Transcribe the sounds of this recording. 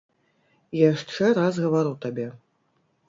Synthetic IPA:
jaʂt͡ʂɛɾazɣɐvaɾuwt̪abʲɛ

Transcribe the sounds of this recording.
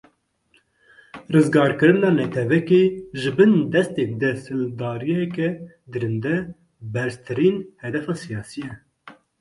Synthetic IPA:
rɨzɡɑːɾkɨɾɨnɑːnɛt̪ʰɛvɛkeʒɨbɨnd̪ɛst̪eb̚d̪ɛsld̪ɑːɾijɛkɛ | d̪ɨɾɨnd̪ɛ | bɛɾst̪ʰɨɾiːnhɛd̪ɛfɑːsijɑːsijɛ

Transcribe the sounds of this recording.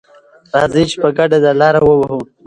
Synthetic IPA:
ɾɑzit͡ʃpəɡaɖad̪alɑɾawəwaɦu

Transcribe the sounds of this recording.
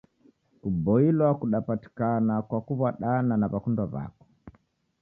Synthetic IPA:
kubɔilwakuɗapati̥kanakwakuβaɗananaβakundaβa̰kɔ̥

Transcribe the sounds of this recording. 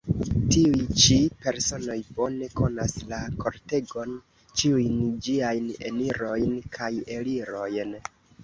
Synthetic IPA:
tiujt͡ʃipe̞ɾso̞no̞jbo̞ne̞ko̞naslako̞ɾte̞ɡo̞n | t͡ʃiujnd͡ʒiajne̞̰niɾo̞jnkʰaje̞liɾo̞jn

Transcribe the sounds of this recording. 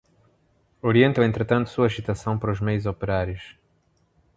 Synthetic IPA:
oɾiẽnt̪ɐ̃w̃ẽnt̪ɾɨt̪ɐ̃nt̪u̥suɐaʒit̪ɐsɐ̃w̃pɐɾuʒmejuzopeɾaɾjʊʃ

